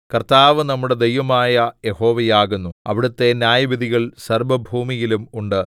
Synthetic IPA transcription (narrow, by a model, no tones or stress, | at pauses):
kɐrt̪aːʋɨnɐmːuɽe̞d̪ejʋɐmaːjɐje̞ho̞ːʋɐjaːɣunːuɐ̰ʋiɽut̪ːe̞njaːjɐbɐðiɣɐɭsɐrbɐbʱuːmijilumuɳɖɨ